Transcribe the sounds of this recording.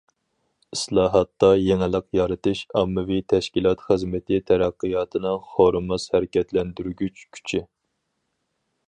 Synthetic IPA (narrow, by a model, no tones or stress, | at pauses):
islˠɑːɦɑt̪ːɑjeŋɪlˠəqjɑɾɨt̪ɨʃɑmːɨvit̪ʰɛʃkʲilˠɑt̪χəzmɪt̪ʰɪt̪ʰɛɾæqːɨjɑːt̪ʰɨnɨŋχoɾɨmɑshæɾɪkʲɛt̪ʰlɛnd̪yɾɡʲyt͡ʃkʲʰy̥t͡ʃʰi